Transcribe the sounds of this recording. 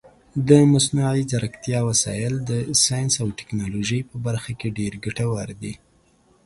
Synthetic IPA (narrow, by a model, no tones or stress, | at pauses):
d̪əmasnuʕizaɾakt̪jɑwasɑjɪld̪əsɑjnsawʈɪ̥knɑloʒəjpəbaɾxakeɖeɾɡaʈawaɾd̪i